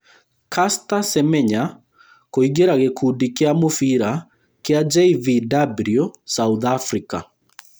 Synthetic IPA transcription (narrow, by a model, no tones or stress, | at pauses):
kastasɛmɛɲa | koiɡeɾaɣekʰudikeamofiɾa | kead͡ʒɛividabliosauðafɾika̰